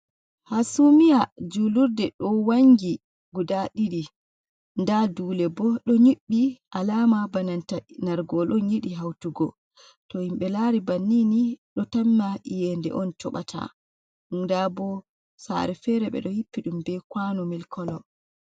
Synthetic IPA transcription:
hasumijad͡ʒuluɾdɛɗɔwaŋɡi | ɡudaɗiɗi | ndaduːlɛbɔɗɔɲiɓːiʔalamabanantanaɾɡɔlɔɲiɗiɦawtuɡɔ | tɔhimɓɛlaɾibanːiniɗɔtanːaʔijɛndɛ̰ʔɔntɔɓa̰tʰa̰ | ɗumdabɔ | sa̰ɾɛfɛɾɛɓɛ̰ɗɔhipːiɗumbɛkwanɔmilkʰɔlɔ

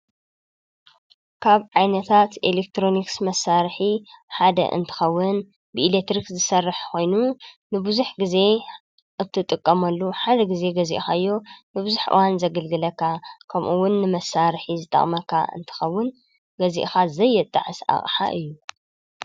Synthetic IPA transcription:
kʰaβʕajnɐt̪ʰat̪ʔelek̚t̪ɾo̞niksmɐsːaɾħiħad̪ɐ̰ʔɨ̰nt̪ʰɨ̥xɐwːʊn | bɨʔilet̪ɾikzɨsɐrːɨħko̞jnunɨbɨzuħɡize̞ | ʔɨt̪ʰːɨt̪ʼɨkʼːɐmɐlːuħad̪ɐɡize̞ɡɐzḭʔxajːo̞nɨbɨzuħʔɨ̰wanzɐɡɐlɡɨlɐkʰːakʰɐmʔuwʊnːɨmɐsːaɾħizɨt̪ʼɐ̰χʼmɐkʰːa̰ɨ̰nt̪ʰɨ̥xɐwːʊn | ɡɐziʔxazɐjːɛt̪ʼːa̰ʕɨsa̰χʼħa̰ʔɨjːu

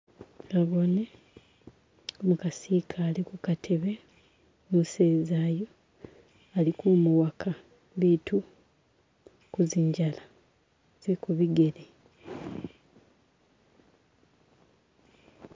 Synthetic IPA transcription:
ɡaβo̞ne | omukasiːkʰaːlikukatʰe̞βe̞ | nuseːzaːjo | alikumuwakʰa | litu | kuziɲɟala | z̥ekuβiɡe̞le

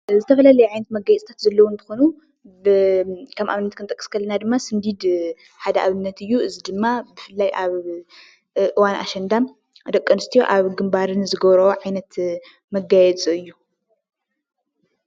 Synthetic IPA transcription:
zɨt̪ʰɐfɐlalɐjɛʕajnɐt̪mɐɡajɛt͡sʼt̪ʰat̪zɐlːɐwunt̪ʰɨ̥xonu | bɨkʰɐmʔa̰βɨnːɐt̪kʰɨnt̪ʼɐkʼːɨ̥skʰɐlːɐnad̪ɨmːasɨnd̪id̪ | ħad̪ɐʔaβɨnːɐt̪ɨjːuɨzid̪ɨmːabɨfɨlːajʔaβ | ʔɨwanʔa̰ʃɐnd̪am | d̪ɐkʼːɐnɨst̪ʰijo̰ʔaβɡɨmbaɾɨnzɨɡɐβɾɐoʕajnɐt̪ | mɐɡajɛt͡sʼuɨjːu

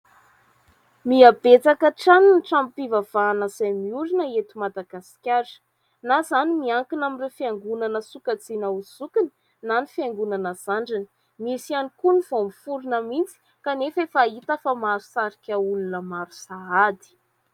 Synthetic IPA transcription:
miabet͡sakəʈ͡ʂaninʈ͡ʂamipivav̥aːnəzajmiuɾinəet̪umad̪aɡasi̥kʲaɾi̥ | nazanimiaŋkinamirefiaŋɡunanəsukat͡sinauzukini̥ | nanifiaŋɡunanəz̥aɳɖ͡ʐani̥ | misianikunivomifuɾunəmint͡si̥ | kanefefait̪əfamaɾusaɾikʲaulunəmaɾusaad̪i̥

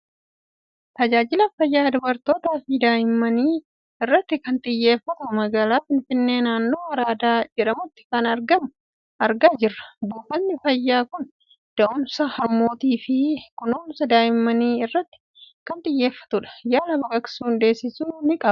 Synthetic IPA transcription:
t̪ɐd͡ʒaːd͡ʒɪlɐfɐjːaːd̪ʊbɐɾt̪o̞ːt̪aːfɪd̪aːjɪmːɐniː | ɪrːɐt̪ːɪkɐnt̪ʼɪjːe̞ːfːɐt̪ʊmɐɡaːlaːfɪnfɪnːe̞ːnaːnːo̞ːwɐɾaːd̪aːd͡ʒɛᶑɐmʊt̪ːɪ̥kɐnɐɾɡɐmʊ | ʔɐɾɡaːd͡ʒɪrːɐ̥buːfɐnːɪfɐjːaːkʊn | d̪̥ɐʔʊnsɐhɐɾmo̞ːt̪iːfɪkʊnoːnsɐd̪aːjɪmːɐniːɪrːɐt̪ːɪ̥ | kɐnt̪ʼɪjːe̞ːfːɐ̥t̪ʊᶑɐ̥jaːlɐbɐkʼɐksuːnd̪e̞ːsːɪsuːnɪkʼɐb

